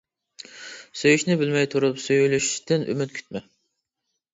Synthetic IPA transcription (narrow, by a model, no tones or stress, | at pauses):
søjyʃnɪbɪlmɛjt̪ʰuɾupsøjylyʃʃt̪ʰɪnʔy̰mɪt̪̚kʲʰy̥t̪̚mɛ